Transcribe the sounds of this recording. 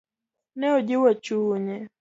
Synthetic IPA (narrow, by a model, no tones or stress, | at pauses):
nɛod͡ʒɪwat͡ʃuːɲɛ